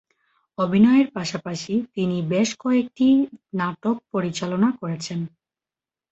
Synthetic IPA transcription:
obʱinɔeɾpaʃapaʃit̪inibeʃkɔek̚ʈinaʈok̚poɾit͡ɕalonakoɾet͡ɕʰen

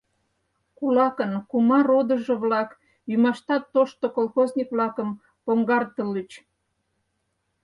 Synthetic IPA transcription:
kulɑkənkumɑɾod̪ə̆ʒɤ̆βlɑk | jymɑʃt̪ɑt̪ːoʃt̪okolxoznʲikβlɑkəm | poŋɡɑrt̪əlit͡ɕ

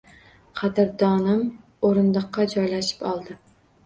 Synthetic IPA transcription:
qʰɑd̪ɪɾd̪ɒnɪm | oɾɨnlˠɨqːɑd͡ʒɒjlaʃɪ̥pɒlˠd̪ɪ

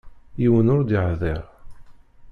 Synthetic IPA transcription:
jiwənʊɾd̪iʕðɪʁ

